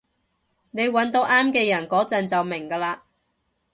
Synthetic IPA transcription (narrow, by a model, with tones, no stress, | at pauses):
ne˨˧jwɐ˨˥nt̪o˨˧˥wʔaː˥mkɛː˧jɐ˨˩nkɔː˨˥t͡sɐ˨nt͡sɐ˨wmɪ˨˩ŋkɐː˧laː˧